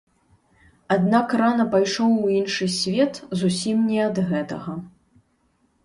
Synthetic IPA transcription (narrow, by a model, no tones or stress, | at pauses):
ad̪nakranɐpajʂɔwuinʂɨsʲvʲɛt̪zusʲimnʲɛɐd̪ɣɛt̪ɐɣɐ